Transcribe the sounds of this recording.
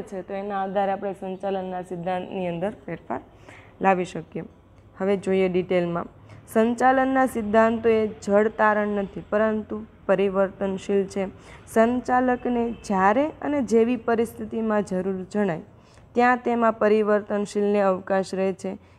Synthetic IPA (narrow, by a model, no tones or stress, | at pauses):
t͡ʃʰet̪oenaaːd̪ʱaɾeapɽ̃esəɲt͡ʃalənːasɪd̪ʱːãnt̪niə̃nd̪əɾfeɾfa̰ɾ | laʋiʃəkje | həʋed͡ʒoieɖiʈelmã | səɲt͡ʃalənːasɪd̪ʱːãnt̪oed͡ʒəɽt̪aɾəɳːət̪ʰipəɾənt̪upəɾiʋəɾt̪ənʃilt͡ʃʰesəɲt͡ʃaləkned͡ʒjaɾeəned͡ʒeʋipəɾist̪ʰit̪imãd͡ʒəɾuɾd͡ʒəɽ̃aj | t̪jãt̪emãpəɾiʋəɾt̪ənʃilneəʋkaʃɾəɦet͡ʃʰe